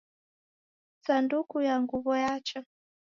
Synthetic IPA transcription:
sandukujaŋɡuβɔjat͡ʃa

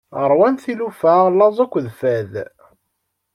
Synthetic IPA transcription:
əɾˤwænθilufæʁlːɑzˤækʷːðfæð

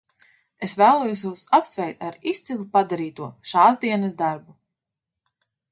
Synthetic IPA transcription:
esvæːlˠuːjus̬juːsapsvʲɛjt̪aɾist̪silˠupad̪aɾiːt̪uɔʃaːzd̪iɛnɐsd̪aɾbu

